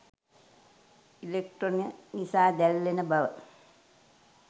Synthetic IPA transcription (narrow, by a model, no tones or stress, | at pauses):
ilek̚ʈroninisaːd̪ælːenəbɐʋə